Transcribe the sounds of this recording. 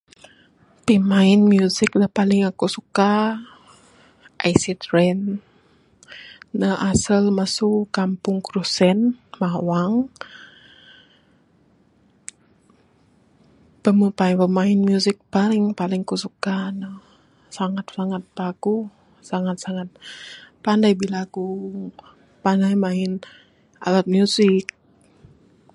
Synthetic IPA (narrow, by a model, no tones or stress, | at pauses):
pimaɪnmjusɪkləhpalɪŋakusuka | ʔajsit̪ɾɛn | əʔasəlməsukampʊŋkɾusɛnmawaŋ | pəməpajwəmaɪnmjusɪk̚palɪŋpalɪŋkusukanə | saŋat̪̚saŋat̪̚paɡu | saŋat̪̚saŋat̪̚pandajbilaɡuŋ | pandajmaɪn | a̰lat̪̚mjuzɪk̚